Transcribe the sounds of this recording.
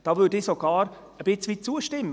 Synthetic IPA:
d̥ɑːvʏdɪsoɡ̥ɑːɾ | əb̥ɪt͡sʋit̚t͡suəʃtɪmːə

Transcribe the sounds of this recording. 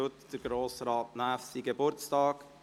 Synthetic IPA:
ʊt̪d̥əɾɡɾoːsɾɑːtnæːfsiɡebʊɾt͡stɑːk

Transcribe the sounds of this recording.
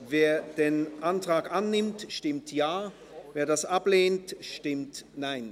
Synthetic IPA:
veːɐd̥eːnʔantʁ̥aːkʔanːɪmtʃtɪmtʰjaː | veːɐdasʔapleːntʃtɪmtnaɪn

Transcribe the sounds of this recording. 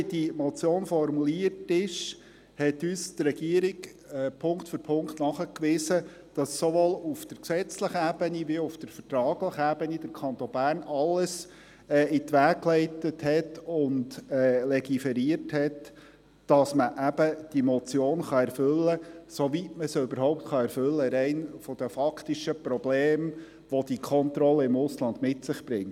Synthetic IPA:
d̥imɔt͡sjoːnfɔɾmuliːərtɪʃ | hɛtyːstrɛɡiəɾik | ɛpʰʊŋktfɔɾpʰʊŋktnɑχəkʋɪsə | d̥ɑsːoʋoːlʊfd̥əɾksɛt͡sləχəæb̥əniʋiʊfd̥əɾfətɾɑːɡləχəæbənid̥əɾkʰχɑnt̪ɔnbæːrnɑlːəs | ɛɪt̪ʋæːkklɛɪtəthɛtʊndɛːlɛɡifɛɾiərthɛtː | d̥ɑsməʔæb̥əd̥imɔt͡sjoːnχɑɛɾfʏlːəsoʋitməsʏbəɾɦɔʊp̚tχɑɛɾfʏlːəɾɛɪnfɔd̥̪əfɑkʰt̪iʃəpɾɔbleːm | ʋɔd̪ikʰɔnt̪ɾɔləɪmʊslɑnd̪mɪtsɪχb̥ɾɪŋt

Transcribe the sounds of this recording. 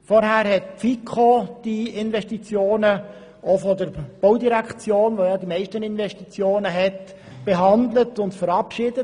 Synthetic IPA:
fɔɾɦæːɾɦɛt̚pfikʰχod̥iɪnʋɛʃtit͡sjoːnə | ʔofɔdəɾb̥oʊdiɾækχt͡sjoːnʋojɑːdimɛɪʃtənɪnʋɛʃtit͡sjoːnəɦɛt | b̥eɦɑndlətʊntfəɾɑpʃɪd̥ə

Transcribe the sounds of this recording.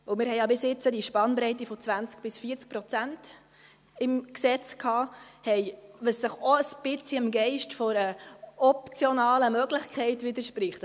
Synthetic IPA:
ʊmɪːɾhɛjɑbɪsɪt͡sədiʃpɑnbɾɛɪtifɔt͡sʋænt͡sk̚b̥ɪsfiəɾt͡sk̚pɾɔt͡sænt | ɪmksɛt͡skʰhɑːhɛɪʋəsːəχoəsb̥ɪt͡siəmɡɛɪʃtfɔɾəɔp̚t͡sjɔnɑːləmœɡlɪχkʰɛɪtʋɪd̪əɾʃpɾɪχt

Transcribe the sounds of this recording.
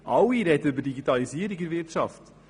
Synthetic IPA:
ʔɑwiɾɛtəybədiɡitɑlisiəɾiɡəɾvɪrtʃɑft

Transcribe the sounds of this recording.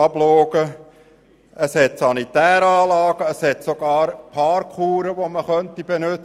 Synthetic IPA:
ɑbloːɡ̥ə | ʔəshɛt̪sɑnit̪æːɾɑːlɑːɡ̥əəshɛt̪soɡ̥ɑːɾpʰɑːɾkχuːɾəʋoməχœnt̪ib̥enɵt͡s

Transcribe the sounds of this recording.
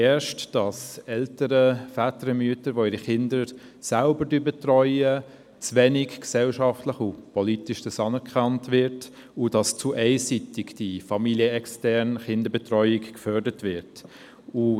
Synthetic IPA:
ɛːʃtd̥ɑsɛltəɾəfætəɾəmyətəɾʋoiɾiχɪndəɾ | sælbəɾdyːbɛtrɔʏə | t͡svɛnɪkksɛlʃɑftləχupɔlitɪʃd̥əsɑnɛɾkχɑntvɪɾt | ʊdɑst͡suʔɛɪsitɪɡd̥ifɑmiliəɛkstɛɾnχɪndəɾbɛtrœʏɪkkfœɾdətvɪɾt | u

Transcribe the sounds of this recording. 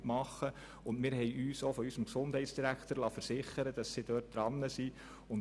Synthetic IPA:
mɑχːə | ʊndmɪːɾɦɛɪjʔyːsofɔysəmksʊnd̥hɛɪtsd̥iɾækʰtəɾlɑːfəɾsɪχəɾəd̥ɑsːid̥øːt̚d̥ɾɑnːəsi | ʊn

